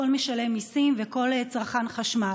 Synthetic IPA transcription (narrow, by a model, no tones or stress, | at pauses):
o̞lmeʃale̞misimveko̞let͡sʁaχanχaʃma